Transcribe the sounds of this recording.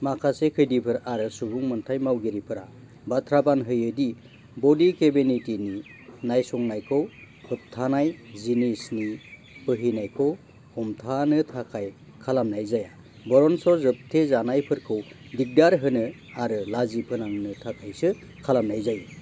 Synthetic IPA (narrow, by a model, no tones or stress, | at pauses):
makʰasekʰɯjdipʰɯɾaɾɯsubuŋmɯntʰajmawɡeɾipʰɯɾa | batʰɾabanɦɯjɯdi | bɔdikebinitininajsɔŋnajkʰɯw | pʰuttʰːanajzinisni | pɯɦinajkʰɯw | hɔmtʰanɯtʰakʰaj | kʰalamnajzaja | bɔɾɔnsɔzɯp̚tʰezanajpʰɯɾkʰɯw | dik̚daɾɦɯnɯ | aɾɯlazipʰɯnaŋnɯtʰakʰajsɯ | kʰalamnajzajɯ